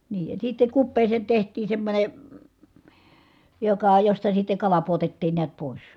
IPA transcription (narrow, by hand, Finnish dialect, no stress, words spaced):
niː jɑ sitːe kupːeːseːn̞ tehtˑiːn̞ semːonʲe jokɑ jostɑ sitːe kɑlɑ puotetːiːn niæt poˑis